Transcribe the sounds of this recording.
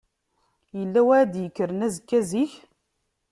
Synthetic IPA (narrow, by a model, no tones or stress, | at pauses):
jəlːæwæd̪jəkːəɾənæzəkːæziç